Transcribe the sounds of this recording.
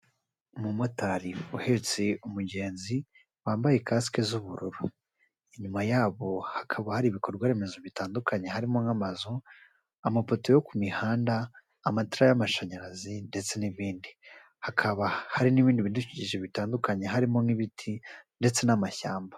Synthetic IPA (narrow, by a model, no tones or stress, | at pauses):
umumo̞taɾiuhe̞t͡se̞umuɟe̞ːnzi | waːmbajekaskezuβuɾuɾu | iɲumajaːβo̞hḁkʰaβahaɾiβiko̞ɾɡwaɾe̞me̞zo̞βitaːndukʰaɲe̞ɦaɾimoŋamazo | amapo̞tojo̞kumihaːndaː | mataɾajamaʃaɲaɾazinde̞t͡se̞niβiːndi | hakʰaβahaɾiniβiːndiβinduciciʒeβitaːndukaɲe̞ɦaɾimo̞ŋiβitʰinde̞t͡se̞namaçaːmbḁ